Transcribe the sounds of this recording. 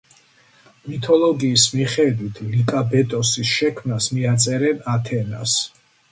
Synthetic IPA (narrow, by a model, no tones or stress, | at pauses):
mit̪ʰɔlˠɔɡiːsmiχɛd̪wit̪ʰlikʼabɛt̪ʼɔsisʃɛkʰmnasmiat̪sʼɛɾɛnat̪ʰɛna̰s